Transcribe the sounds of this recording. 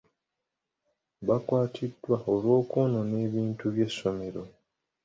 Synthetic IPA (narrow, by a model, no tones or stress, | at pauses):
βakwaːtʰidːwaolwo̞ːkoːno̞ne̞ːβiːntuβje̞sːo̞me̞ɾo̞